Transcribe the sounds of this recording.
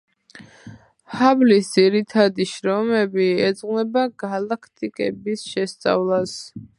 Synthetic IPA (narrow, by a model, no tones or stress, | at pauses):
hablisd̪ziɾit̪ʰad̪iʃɾɔmɛbiɛd̪zʼʁwnɛbaɡalˠakʰt̪ʼikʼɛ̰bisʃɛst̪sʼa̰vlˠas